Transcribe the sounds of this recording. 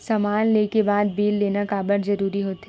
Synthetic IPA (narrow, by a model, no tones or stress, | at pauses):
sɐmaːnleːkebaːd̪̚biːlːeːnakaːbəɾzɐɾuːɾiɦoːt̪ː